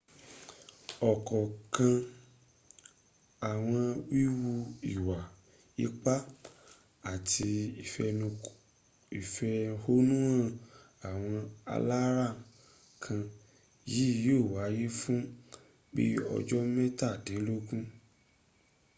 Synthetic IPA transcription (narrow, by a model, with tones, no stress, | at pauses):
ɔ˨kɔ˨kã˧ | a˨w̃ɔ̃˧wi˦wu˧i˨wa˨ | i˦k͡pa˦ | a˦˨tʰi˧i˨fɛ˧nũ˧ | i˨fɛ˧ho˦nũ˦ã˦˧ | a˨w̃ɔ̃˧a̰˧la˦ɾa˦˨ | kʰã˧ | ji˨˦˨jo˦˨wa˨˦ji˦fũ˦ | bḭ˦ɔ̰˧d͡ʒɔ˦mɛ̃˦ta˦˨de˨˦lo˦kũ˦